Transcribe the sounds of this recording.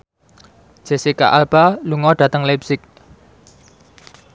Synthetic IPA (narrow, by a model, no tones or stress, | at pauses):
d͡ʒ̥e̤sika̰ʔalb̥aluŋɔɖ̥ä̤t̪əŋlɛp̚sɪk̚